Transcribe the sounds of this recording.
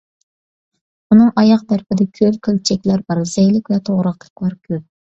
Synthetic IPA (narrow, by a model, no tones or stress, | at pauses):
unɨŋʔɑjɑqd̪æɾpɪd̪ɛkʲʰølkʲʰølt͡ʃʰɛkʲlæɾbɑɾz̥ɛjlɪkʲvɛt̪ʰoʁɾɑqt̪ʰə̥klˠɑɾkʲʰøp̚